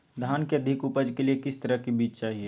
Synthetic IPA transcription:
d̪ʱaːnkeɐd̪ʱɪkʊpəd͡ʒkeliekɪst̪ɐɾəɦkibiːt͡ʃt͡ʃaːɦie

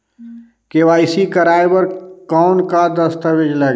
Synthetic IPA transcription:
keʋaːɪsikəɾaːjbəɾkɔʊnkad̪əst̪əʋɪd͡ʒleːɡ

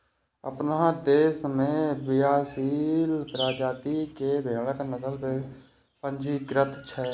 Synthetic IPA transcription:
ə̰pnad̪eːsmẽbɪjaːsiːlpɾaːd͡ʒaːt̪ikebʱeːɽ̃akanəd̪əlpe | pə̃nd͡ʒikɾət̪t͡ʃʰɛ

